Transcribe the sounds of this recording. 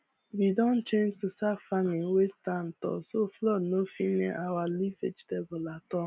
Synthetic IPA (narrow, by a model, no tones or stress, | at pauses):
widɔ̃n̩t͡ʃẽnd͡ʒtusafamĩŋ̩westan̩tɔ̰soflɔdnofinḛʔawalifed͡ʒtebʊlatɔ